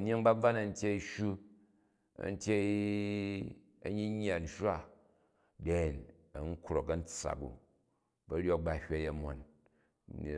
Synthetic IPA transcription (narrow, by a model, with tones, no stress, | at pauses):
n˦e˦ŋba˦b͡va˦na˨n̩˦tʲje˦i˦ʃu˦ | ɐ̰˨n̩˦tʲe˦ | ɐ̰˨ɲi˦ɲː˦a˨n̩˦ʃa˦ | de˦˨n | ɐ˨ŋ̩˦kɾo˨kɐ˦n̩˦t͡sːa̰˨kṵ˨ | bɐ˨ɾʲo˦k̚ba˨hʲʷa˦ja˨mo˨n˨